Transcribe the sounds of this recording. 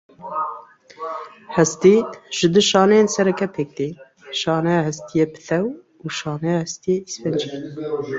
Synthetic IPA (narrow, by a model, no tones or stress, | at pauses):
hɛst̪iʒ̥ɨd̪ɨʃɑːnɛjensɛɾɛkɛpʰek̚d̪e | ʃɑːnɛjɑːhɛst̪ijepʰɨ̥θɛw | uʃɑːnɛjɑhɛst̪ijeisfɛnd͡ʒi